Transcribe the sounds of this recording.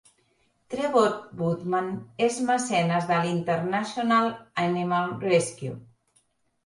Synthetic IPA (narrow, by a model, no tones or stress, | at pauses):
t̪ɾeβot̪̚but̪manezmasɛnazðəlint̪əɾnasjonalanimalreskju